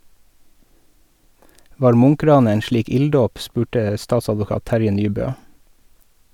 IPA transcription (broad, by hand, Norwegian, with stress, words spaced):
ˈʋɑːɾ ˈmʊŋˌkɾɑːnə ˈeːn ˈʃɭiːk ˈɪlˌdoːp ˈspʉːʈə ˈstɑːtsɑdʋʊˌkɑːt ˈtæɾjə ˈnyːˌbøː